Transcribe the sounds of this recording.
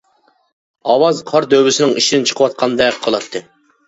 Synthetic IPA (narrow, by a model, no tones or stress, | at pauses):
ɑwɑzqʰɑɾd̪øwɪsɪnɪŋiʃid̪ɪnt͡ʃʰə̥qʰəwɑt̪̚qʰɑnd̪ɛqʰɑlˠɑt̪ʰːɨ